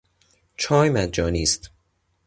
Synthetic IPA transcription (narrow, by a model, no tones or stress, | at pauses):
t͡ʃʰɒːjmæd͡ʒɒːniːst̪